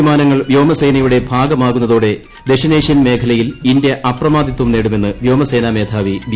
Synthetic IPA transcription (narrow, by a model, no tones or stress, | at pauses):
imaːnɐŋːɐɭʋjo̞ːmɐseːnɐjuɽe̞bʱaːɡɐmaːɣunːɐðoːɽe̞ | d̪e̞ʂɐneːʂjɐnme̞ːkʰɐlɐjilinde̞ʔɐprɐmaːd̪it̪ːumne̞ːɽume̞nːɨʋjo̞ːmɐseːname̞ːd̪ʰʱaːʋiʋ